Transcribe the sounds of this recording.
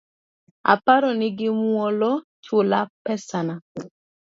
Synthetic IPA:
a̰paɾɔnɪɡɪmwɔlɔt͡ʃʊlapɛsana

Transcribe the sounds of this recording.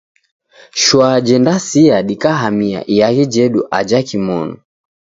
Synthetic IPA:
ʃwad͡ʒɛndasiaɗikaɦamia̰ʔijaɣid͡ʒɛɗuʔad͡ʒakimɔ̰nu

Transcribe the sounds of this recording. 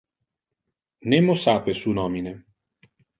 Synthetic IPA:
nemosapesunɔmine

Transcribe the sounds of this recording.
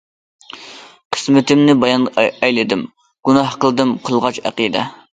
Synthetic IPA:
qʰə̥smɪt̪ɪmnɪbɑjɑnɛjlɪd̪ɪm | ɡ̥unɑhqəlˠɨd̪ɨmqʰəlˠʁɑt͡ʃæ̰qiːd̪ɛ̰

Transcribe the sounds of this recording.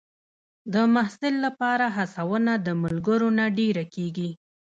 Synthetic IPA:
d̪əmahsɪlːapɑɾaɦasawənad̪əmʊlɡəɾonaɖeɾakeɡi

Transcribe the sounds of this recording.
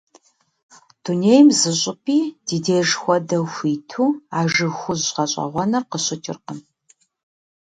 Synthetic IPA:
d̥uneːjmzɨɕʷʼɪpʰiːd̥iːdeːʒxʷɔdɐxʷiːtʰuːaːʒɨxʷʊzqɐɕʼɐ̰ʁʷɐnɐrqəɕɪtʰɪ̰rqəm

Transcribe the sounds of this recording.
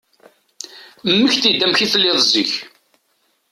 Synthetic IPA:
mːəçθid̪ːæmçiθəlːɪðˤziç

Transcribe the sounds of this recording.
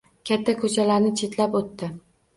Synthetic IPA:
kʲʰat̪ʰːakʰɵt͡ʃʰalaɾnɪt͡ʃʰe̞t̪lapot̪ːɪ

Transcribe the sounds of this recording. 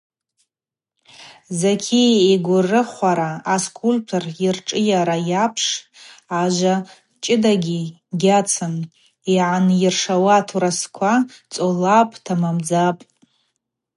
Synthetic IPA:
zakʲʰiiɡʷʊrɨχʷaɾaːskʷʰʼultʰurirʈ͡ʂʼɨjaɾajapʰʂaʒʷa | t͡ʃʼɪdaɡʲi | ɡʲat͡sʰɨn | iʕanjɪrʂawatʰuɾaskʷʰat͡sʼolapʼtʰamamd͡zapʼ

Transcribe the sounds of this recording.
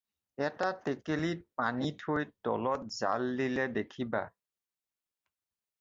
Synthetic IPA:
ɛtatekelit̚panitʰojtɔ̰lɔt̚za̰lːilɛdekʰiba̰

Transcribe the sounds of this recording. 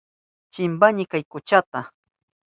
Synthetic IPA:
t͡ʃɪmbaɲɪkajkʊt͡ʃat̪a

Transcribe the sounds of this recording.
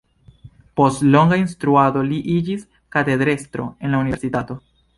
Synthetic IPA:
po̞stlo̞ŋɡainst̪ɾuado̞liʔid͡ʒis | kate̞d̪ɾe̞st̪ɾo̰e̞nlaunisitato̞

